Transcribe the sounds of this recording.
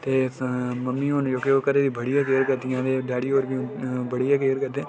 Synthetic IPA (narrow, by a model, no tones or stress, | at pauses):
t̪eːməmːiːond͡ʒoːkeoːkəɾeːd̪iːbəɽɪjãːk̬eːɾkəɾd̪ɪjãːd̪eːɖaːɽiːoːɾbiːbəɽijãːkeːɾkəɾd̪eː